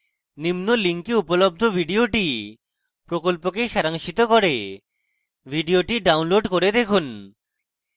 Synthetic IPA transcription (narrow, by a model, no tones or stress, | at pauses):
nimnoliŋkiupolob̚d̪ʱobʱiɖioʈi | pɾokolpokeʃaɾaŋʃit̪okoɾe | bʱiɖioʈiɖawnloɖkoɾed̪ekʰun